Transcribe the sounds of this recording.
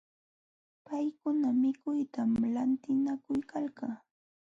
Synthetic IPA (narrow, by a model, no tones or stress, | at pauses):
pajkʊnamɪkʊjt̪amlant̪ɪnakʊjkʰalkaː